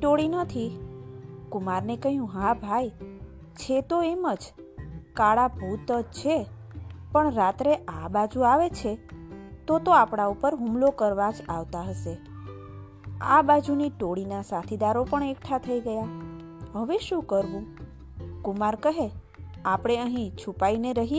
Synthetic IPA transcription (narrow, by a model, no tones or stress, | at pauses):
ʈoɽinət̪ʰi | kʊmaɾnekəɦjũɦãbʱaj | t͡ʃʰet̪oeməd͡ʒ | kaɭabʱut̪əd͡ʒt͡ʃʰe | pəɳɾat̪ɾeʔabad͡ʒuaʋet͡ʃʰet̪ot̪oapɽ̃aupəɾɦumlokəɾʋad͡ʒaʋt̪aɦəʃe | a̰bad͡ʒuniʈoɽinasat̪ʰid̪aɾopəɳekʈʰat̪ʰəiɡəja | ɦəʋeʃũkəɾʋũ | kumaɾkəɦe | apɽ̃eəɦĩt͡ʃʰupaineɾəɦi